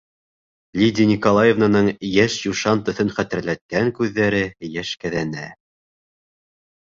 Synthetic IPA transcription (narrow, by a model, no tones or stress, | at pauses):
lʲidʲinʲikolˠajevnanɤɴjæʃjuʃɑnt̪ɵ̆θɵnχæt̪ɘ̆ɾlæt̪̚kæŋkʉðːæɾɘjæʃkæðænæ